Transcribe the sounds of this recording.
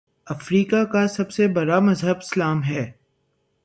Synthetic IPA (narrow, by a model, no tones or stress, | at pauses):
ɐfɾiːkakasɐbsebɐɽamɐzɦəbɪslaːmɦɛː